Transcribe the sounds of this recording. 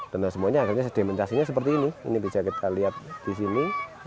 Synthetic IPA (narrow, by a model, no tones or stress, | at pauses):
d̪̥ənasəmuaɲaːkirɲasəd̪̥e̤mənt͡ʃasiɲasəp̬ərt̪iːniḭnibisakit̪ʰaliɦat̪̚d̪̥is̬ini